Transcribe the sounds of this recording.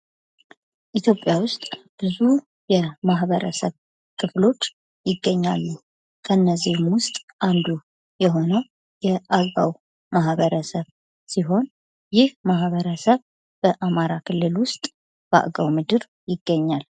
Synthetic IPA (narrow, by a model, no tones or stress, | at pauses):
ʔit̪ʰjo̞pʼːjawʊst̪ʼb̥ɨzu | jɛmaɦβəɾə̰səβ | kʰɨflo̞t͡ʃː | jɪɡːəɲːa̰lːu | kʰəɨnːəzːihmwʊst̪ʼand̪u | jɛɦo̞nə | jɛʔaɡa̰w | maɦβəɾəsəβ | siɦo̞n | jɪhmaɦβəɾəsəβ | b̥əʔamaɾakʰɨlːɨlwʊst̪ʼ | b̥a̰ʔɡawmɨd̪ɨɾ | jɪɡːəɲːal